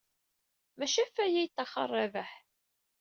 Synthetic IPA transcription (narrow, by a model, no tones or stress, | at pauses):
mæʃæfːæjæjt̪ːɑχɑ̰rˤːɑvəħ